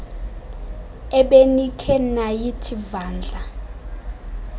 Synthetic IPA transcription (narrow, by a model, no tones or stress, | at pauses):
ɛɓenikʰɛnajitʰivaːnd͡ɮʱa